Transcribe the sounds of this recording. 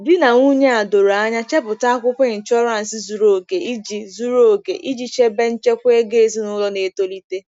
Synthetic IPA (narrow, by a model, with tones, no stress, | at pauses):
bi˦na˨ŋʷu˦ɲe˦a˨do˨ɾa˦ɲa˦t͡ʃe˦pʊ˨ta˦kʷʊ˦pɪ˨n̩˨t͡ʃɔ˦ɾa˨n̩˨si˦zu˨ɾo˨ɡe˨i˦d͡ʒi˦zu˦ɾo˦˨ɡḛ˨ʔi˦d͡ʒi˨t͡ʃe˦be˦n̩˦t͡ʃe˦kʷe˦ɡe˦e˦˨zi˦nʊ˦lɔ˦ne˨˦to˦li˦te˦